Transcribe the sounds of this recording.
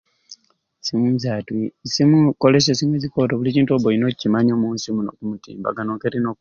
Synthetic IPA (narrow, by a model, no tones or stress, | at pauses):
simuzatisimukoles̬esimwezikotoβuliciːntuoβoinocimaɲoːmuːnsimuno̰kumutḭːmba̰ɡanoŋkeɾinok